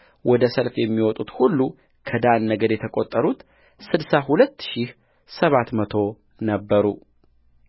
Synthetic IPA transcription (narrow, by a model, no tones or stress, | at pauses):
wɔd̪əsəlfjɛmːiwɔt̪ʼut̪hulːu | kʰəd̪anːəɡəd̪jɛt̪ʰəkʼot̪ʼːəɾut̪ | sɨd̪sahulət̪ːʃih | səβat̪mət̪ʰo̞ | nəbːəɾu